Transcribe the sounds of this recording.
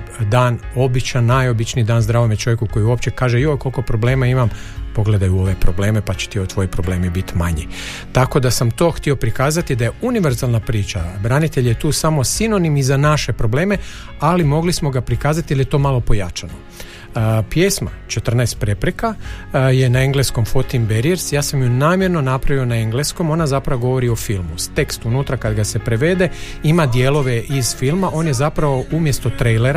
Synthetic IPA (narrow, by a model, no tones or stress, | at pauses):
d̪aːno̞bit͡ʃanːajo̞bit͡ʃniːd̪aːnzd̪ɾaːʋomjet͡ʃo̞ʋje̞kuko̞jiuopt͡ʃe̞kaːʒeioko̞lˠko̞pɾo̞ble̞ːmaimampo̞ɡle̞d̪ajuo̞ʋe̞pɾo̞ble̞ːmepat͡ɕe̥t̪iot̪ʋo̞jipɾo̞ble̞ːmibit̪maɲi | t̪ako̞d̪asamt̪o̞ːxt̪io̞pɾikaːzat̪id̪aje̞uniʋe̞ɾzalˠnapɾiːt͡ʃabɾanit̪e̞ʎje̞t̪uːsamo̞sino̞nimizanaʃe̞pɾo̞ble̞ːme̞ | alimo̞ɡlismo̞ɡapɾikaːzat̪ijilˠjet̪o̞ːmalˠo̞po̞ja̰t͡ʃano | pjesma̰t͡ʃe̞t̪r̩naest̪pɾe̞pɾekaje̞naeŋɡlesko̞mfo̞t̪imbeɾieɾsjaːsamjunaːmje̞ɾno̞napɾaʋio̞naeŋɡlesko̞mo̞nazapɾaʋoɡo̞ʋo̞ɾio̞filˠmust̪e̞kst̪unuːt̪ɾakad̪ɡase̞pɾe̞ʋe̞d̪e̞ | imad̪jelo̞ʋe̞ʔiz̥filˠmaʔo̞ːnje̞zapɾaʋo̞umje̞st̪o̞t̪ɾejleɾa